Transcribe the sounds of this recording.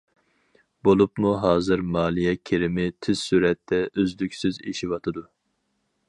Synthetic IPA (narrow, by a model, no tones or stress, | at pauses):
bolˠupmuɦɑːzɨɾmɑːlˠijɛkʲʰeɾɪmɪt̪ʰɪz̥syɾɛt̪ʰːɛʔøzlykʲsyzḛʃiwɑt̪ʰɨd̪u